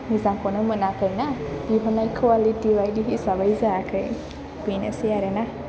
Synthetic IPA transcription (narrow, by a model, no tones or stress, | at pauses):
nizaŋkɔnɯmɯnakʰəjnabiɦɔnajkʰwalitiwajdiɦisabajzakʰɯj | b̥inasijaɾena